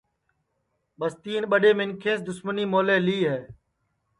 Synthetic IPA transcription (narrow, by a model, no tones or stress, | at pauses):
ɓəst̪iːnɓəɗeːmɪŋkʰẽːsd̪ʊsməniːmoːleːliːɦɛː